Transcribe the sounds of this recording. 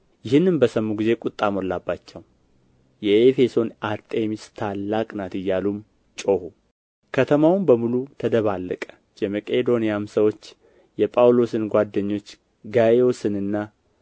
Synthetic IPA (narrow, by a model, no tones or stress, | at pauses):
jɪhɨnːɨnbəsəmːuɡize̞kʼut̪ʼːamolːabːat͡ʃːɛw | jɛefe̞so̞naɾt̪ʼemist̪ʰalːakʼnat̪ɨjːalum | t͡ʃʼo̞hu | kʰət̪ʰəmawʊnbəmulut̪ʰəd̪əβalːəkʼə̥ | jɛməkʼed̪o̞nijamsəwo̞t͡ʃː | jɛpʼawlo̞sɨnɡʷad̪ːəɲːo̞t͡ʃː | ɡajeosɨnɨnːa